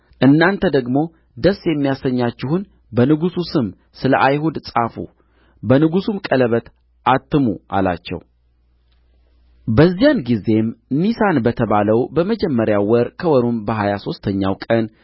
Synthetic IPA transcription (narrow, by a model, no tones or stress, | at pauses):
ʔɨnːant̪ʰəd̪əɡmo̞ | d̪əsjɛmːijasəɲːat͡ʃːɪhun | bənɨɡususɨm | sɨləʔajhud̪sʼafṵ | bənɨɡusumkʼələβət̪ | ʔat̪ːɨmṵʔa̰la̰t͡ʃːɛ̰w | bəzːijanɡize̞mnisanbət̪ʰəβaləwbəməd͡ʒɛmːəɾjawɔɾkʰəwɔɾumbəɦajaso̞st̪ʰəɲːa̰wkʼən